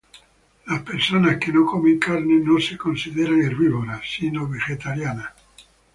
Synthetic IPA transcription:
laspeɾsonaskenokomeŋkaɾnenosekonsiðeɾaŋeɾβiβoɾasinoβeʝet̪aɾjana

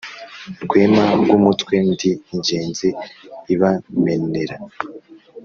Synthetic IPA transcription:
ɾɡwe̞ːmaɡumutwe̞ndiːɲɟe̞ːnziiβame̞ne̞ɾa

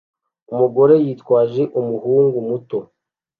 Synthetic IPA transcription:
umuɡo̞ɾe̞jiːtwaːʒe̞ʔumuɦuːŋɡumuto̞

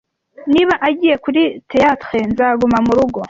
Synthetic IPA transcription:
niβaʔaɟiːje̞kuɾitejatχenzaɡumamuɾuɡo̞

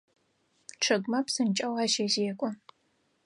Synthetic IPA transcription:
ʈ͡ʂʰɨɡʷmɐpsɨnt͡ʃʼɐwaːʃezeːkʷʼɔ

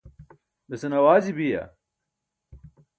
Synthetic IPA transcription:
d̪ɐsɐnɐwaːzibijɐ̰

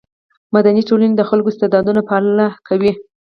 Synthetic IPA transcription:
mad̪aniʈolaned̪əxalkost̪ed̪ɑd̪unapəallakʰawi

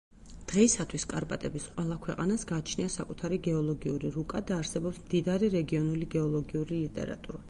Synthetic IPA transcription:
d̪̥ʁɛisat̪ʰwiskʼaɾpʼat̪ʼɛbisqʼwɛlˠakʰwɛqʼa̰nasɡaːt͡ʃʰniasakʼut̪ʰaɾiɡɛɔlˠɔɡiuɾiɾukʼad̪aːɾsɛbɔpsmd̪id̪aɾiɾɛɡiɔnuliɡɛɔlˠɔɡiuɾilit̪ʼɛ̰ɾa̰t̪ʼuɾa

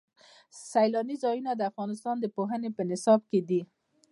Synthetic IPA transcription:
sajlɑnizɑjunad̪əafɣɑnɪs̬t̪ɑnd̪əpoɦənepənɪsɑb̚ked̪i

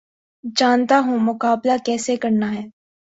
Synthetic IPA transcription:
d͡ʒaːnt̪aɦũːmʊkaːblakɛːsekɐɾnaɦɛː

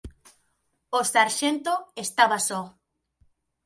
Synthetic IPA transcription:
osaɾʃent̪oest̪aβasɔ

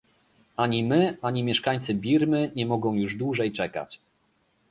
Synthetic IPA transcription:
aɲimɘʔaɲimʲjɛʂkaɲʲt̪sɘbʲiɾmɘɲɛmɔɡɔ̃w̃juʐd̪wuʐɛjt͡ʂɛka̰t͡ɕ

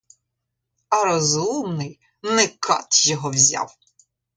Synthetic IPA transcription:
ɐɾɔzumnɪj | nɛkʰɑ̰t̪jɔɦɔwzʲa̰w

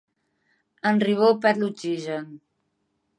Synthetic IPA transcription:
ənriβ̞opɛt̪lut͡ʃiʒən

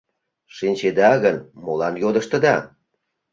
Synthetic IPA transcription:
ʃinʲt͡ɕed̪ɑɣənmolɑnjod̪ə̆ʃt̪ə̆d̪ɑ̰

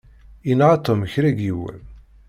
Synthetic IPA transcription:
inʁat̪ˤomçɾæɡiwæ̰l

